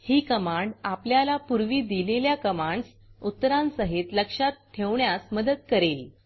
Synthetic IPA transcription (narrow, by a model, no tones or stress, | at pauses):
hiːkəmaɳɖapljalapuɾʋiːd̪ileljakəmaɳɖs | ut̪ːəɾãnsəɦet̪ləkʂat̪̚ʈʰːeʋɳjasməd̪əd̪̚kəɾel